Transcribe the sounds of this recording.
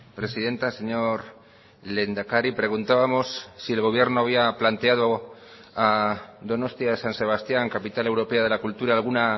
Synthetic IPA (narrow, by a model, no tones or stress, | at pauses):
pɾe̞siðe̞nt̪ase̞ɲo̞ɾ | le̞nd̪akaɾipɾe̞ɣ̞unt̪aβamo̞sːielɣo̞β̞je̞ɾnoaβ̞iaplant̪e̞að̞o | aðo̞no̞st̪iaðesanse̞β̞ast̪jaŋkapit̪ale̞wɾo̞peað̞e̞lakult̪uɾaːlɣ̞una